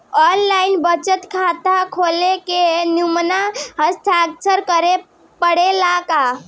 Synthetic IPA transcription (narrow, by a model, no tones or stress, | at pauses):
ɔnlainbət͡ʃət̪kʰat̪akʰolekenumnaɦə̃st̪ʰaksəɾkəɾe | pəɽelaka